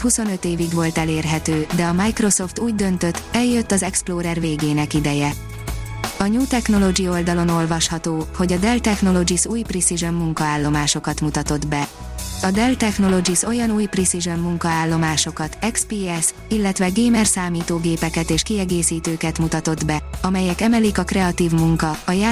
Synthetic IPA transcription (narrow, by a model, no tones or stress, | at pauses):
huso̞nøt̪eːviɡʋo̞lt̪ɛleːrɦɛt̪øːd̪ɛɒmajkro̞so̞ft̪uːɟd̪ø̞nt̪ø̞t̪ːɛljø̞t̪ːɒzɛksploːɾɛrveːɡeːnɛkid̪ɛjɛ | ɒɲuːt̪ɛkno̞lo̞ɡio̞ld̪ɒlo̞no̞lvɒʃhɒt̪oːho̞ɟɒd̪ɛlt̪ɛxno̞lo̞d͡ʒisuːjprisiʒømːuŋkɒaːlːo̞maːʃo̞kɒt̪mut̪ɒt̪o̞d̪bɛ | ɒd̪ɛlt̪ɛxno̞lo̞d͡ʒiso̞jɒnuːjprisiʒømːuŋkɒaːlːo̞maːʃo̞kɒt̪ɛkspiːɛs | ilːɛt̪vɛɡeːmɛrsaːmiːt̪oːɡeːpɛkɛt̪eːʃkiɛɡeːsiːt̪øːkɛt̪mut̪ɒt̪o̞d̪bɛɒmɛjɛkɛmɛlikɒkrɛɒt̪iːvmuŋkɒɒjaː